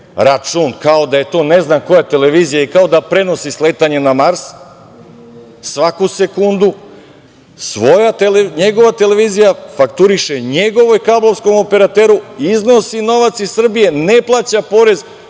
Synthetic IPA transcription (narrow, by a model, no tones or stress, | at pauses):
ɾat͡ʃunkao̞d̪aje̞t̪o̞ːne̞znako̞jat̪e̞le̞ʋiːzijaikao̞d̪apɾe̞no̞sisle̞t̪aɲe̞namaɾs | sʋakuse̞kund̪u | sʋo̞jaeleɲe̞ɡo̞ʋat̪e̞le̞ʋiːzijafakt̪uɾiʃeɲe̞ɡo̞ʋo̞jkablˠo̞vsko̞mo̞pe̞ɾat̪eɾuizno̞sino̞ʋat̪sisr̩bije̞ne̞plˠat͡ɕapo̞ɾe̞z